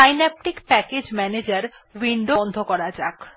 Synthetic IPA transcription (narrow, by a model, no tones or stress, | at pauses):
ajnɛp̚ʈikpɛked͡ʑmɛned͡ʑaɾwiɳɖond̪ʱokɔɾad͡ʑak